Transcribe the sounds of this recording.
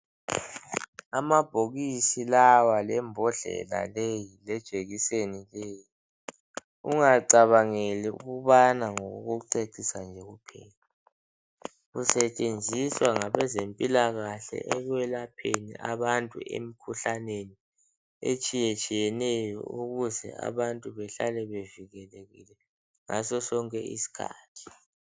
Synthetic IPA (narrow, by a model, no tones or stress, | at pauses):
amab̥ʱoɣisilawalɛmbʱɔɮɛ̰la̰lejilɛd̥ʒ̥ʱeɣisenileːji | uŋaǀaβaŋɛlɛṵɣuβanaŋoɣuɣuǀeǀisand͡ʒʱɛɣupʰɛ̰ːla | ɣusɛt͡ʃʼend͡zʱiswaŋaβɛzempʼilaɣaɬɛ̰ʔɛɣwɛlapʰenḭʔaβantʼṵḛm̩kʰuɬaneni | et͡ʃʼijɛt͡ʃʼijɛnɛjjɔ̰uɣuzɛ̰a̰βantʼuβɛɬalɛβeviɣɛleɣḭlɛ | ŋasɔsɔŋkʼɛḭsi̥kʰa̰ːtʰi̥